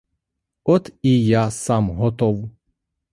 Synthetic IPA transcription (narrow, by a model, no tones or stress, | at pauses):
ɔt̪ijasamɦɔt̪ɔw